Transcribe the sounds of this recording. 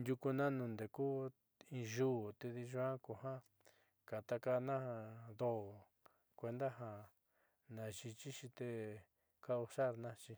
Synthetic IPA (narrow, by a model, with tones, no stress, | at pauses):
ndʲu˧ku˧nã˦nũ˧˨nd̪e˨ku˦˧ | ĩ˧ʒu˦˨t̪e˧ði˧ʒu˧˦ã˦ko˨ɦã˦ | ka˨t̪a˧ka˧nã˦a˧d̪o˦˨ | kʷe˧nd̪a˦ɦa˧ | nã˨ʃi˧t͡ʃi˦ʃi˧t̪e˧ | ka˦u˧ʃa˦˨ɾnã˦t͡ʃi˧